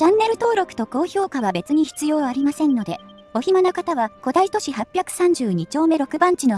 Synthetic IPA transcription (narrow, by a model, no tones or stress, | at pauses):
t͡ɕãnːe̞ɾɯ̟t̪o̞ːɾo̞kɯ̟̥t̪o̞ko̞ːço̞ːkaβabe̞t͡sɨɲ̟içi̥t͡sɨjo̞ːaɾʲimasẽ̞nːo̞d̪e̞ | o̞çimanakat̪aβako̞d̪ait̪o̞ɕihapʲjakɯ̟̥sãɲ̟d͡ʑɨːɲ̟it͡ɕo̞ːme̞ɾo̞kɯ̟bãɲ̟t͡ɕino̞